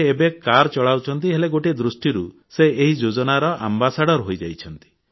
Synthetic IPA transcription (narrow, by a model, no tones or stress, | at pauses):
ebekaɾt͡ʃɔɭawt͡ʃʰɔnt̪iɦeleɡoʈed̪ɾusʈiɾu | seeɦid͡ʒod͡ʒɔnaɾɔʔa̰mbasaɽɔɾɦojd͡ʒajt͡ʃʰɔnt̪i̥